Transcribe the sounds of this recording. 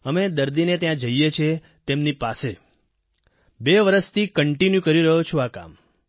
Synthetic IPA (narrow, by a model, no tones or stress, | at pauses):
əmed̪əɾd̪inet̪jãd͡ʒəijet͡ʃʰe | t̪emnipase | beʋəɾəst̪ʰikəɳʈinjukəɾiɾəɦot͡ʃʰuaka̰m